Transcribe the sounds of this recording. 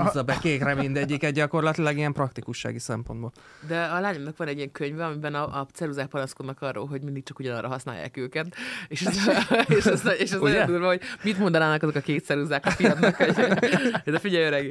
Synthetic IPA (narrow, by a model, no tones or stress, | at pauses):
zɒbɛkeːkrɛmind̪ɛɟːikɛd̪ɟɒko̞rlɒt̪ilɒɡiɛmprɒkt̪ikuʃːa̰ːɡisɛmpo̞nd̪boːl | d̪ɛɒlaːɲomnɒkʋɒnɛɟːiɛŋkøɲvɛɒmibɛnɒʔ̪t͡sɛɾuzaːk̚pɒnɒsko̞d̪nɒkɒrːo̰ːlɦo̞ɟmind̪ik̚t͡ʃɒkuɟɒnɒrʔɒɦɒsna̰ːjːa̰ːkøːkɛt̪eʃɛeʃɛzeʃɛzod̪ulvɒɦo̞ɟmit̪mo̞nd̪ɒnaːnɒkɒzo̞kɒkeːt̪sɛɾuzaːkɒfiɒd̪nko | d̪ɛfiɟɛjøɾɛɡi